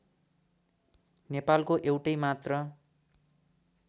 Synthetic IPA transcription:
nepalkoʔewʈʌjmat̪rʌ

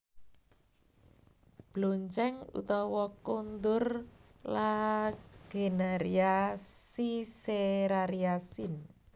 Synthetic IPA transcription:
b̥loɲt͡ʃɛŋṵt̪ɔwɔkond̪ʊrla | ɡ̥enaɾiasiseɾaɾiasin

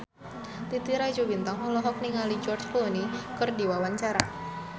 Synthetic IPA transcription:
t̪it̪iɾaid͡ʒobint̪aŋɔlɔɦɔk̚niŋalid͡ʒɔrt͡ʃkɔlonikɨrdiwawaɲt͡ʃaɾa

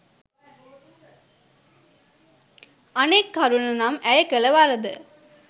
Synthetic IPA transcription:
ɐneːkːɐɾʊnɐnaːmɛjɐkɛlɐʋaːɾɐd̪ɯ̰

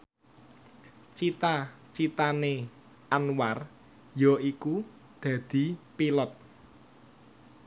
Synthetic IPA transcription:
t͡ʃit̪a | t͡ʃit̪ane | ʔanwar | jɔiku | d̪̥ä̤d̪̥i̤pilɔt̪̚

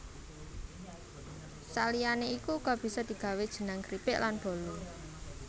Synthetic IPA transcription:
salijaneikukɔb̥i̤sɔd̪̥i̤ɡ̥a̤wed̥ʒ̥ə̤naŋkɾipɪʔlanb̥o̤lu

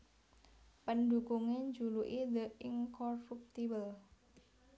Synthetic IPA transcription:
pəndukuŋend͡ʒuluʔid̪əiŋkɔrup̚t̪ibəl

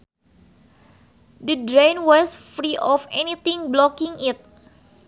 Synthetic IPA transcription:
dədɾãjnwɔsfɾiʔɔfɛnit̪ĩŋblɔkiŋit̪̚

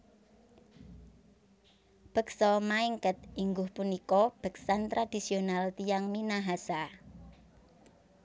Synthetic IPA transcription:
b̥ə̤k̚sɔmaiŋkət̪̚iŋɡʊhpunikɔb̥ə̤k̚sant̪ɾad̪̥isionalt̪ijaŋminaɦasa

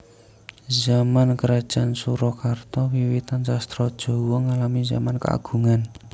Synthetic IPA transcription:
zamankəɾad̥ʒ̥ansuɾɔkart̪ɔwiwit̪ansast̪ɾɔd̥ʒ̥o̤wɔŋalamiza̰manka̰a̰ɡ̥ṳŋan

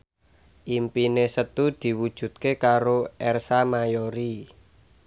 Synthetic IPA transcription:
ʔimpinesət̪ud̪̥i̤wud̥ʒ̥ṳt̪̚kekaɾoʔɛrsamajoɾi

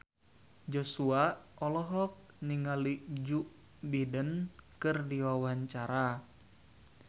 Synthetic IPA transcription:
d͡ʒosuaɔlɔɦɔk̚niŋalid͡ʒuʔ | bidənkɨrdiwawaɲt͡ʃaɾa

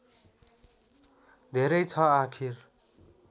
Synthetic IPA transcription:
d̪ʱeɾʌjt͡sʰʌakʰir

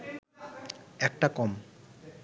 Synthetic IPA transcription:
ɛk̚ʈakɔm

